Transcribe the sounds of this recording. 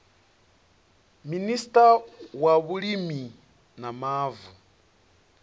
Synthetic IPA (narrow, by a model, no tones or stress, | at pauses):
ministʼawaβulimi | namaːvu